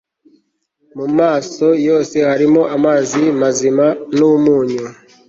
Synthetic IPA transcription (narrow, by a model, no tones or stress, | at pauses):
mumaːso̞jo̞ːse̞haɾimo̞ʔamaːzimazimanumuːɲo